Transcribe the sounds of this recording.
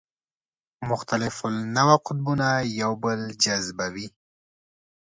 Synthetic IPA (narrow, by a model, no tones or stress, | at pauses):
mʊxt̪alɪfʊlnawaqʊt̪̚bunajawbəld͡ʒazbawi